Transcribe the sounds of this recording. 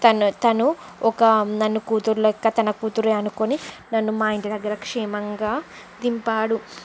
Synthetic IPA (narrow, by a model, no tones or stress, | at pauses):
t̪ɐnut̪ɐnuɔkɐnɐnːukuːt̪uɾulokːɐt̪ɐnɐkuːt̪uɾeɐnukoninɐnːumaːjiɳʈid̪ɐɡːɐɾɐkʂɛːmɐŋɡaː | d̪impaːɽu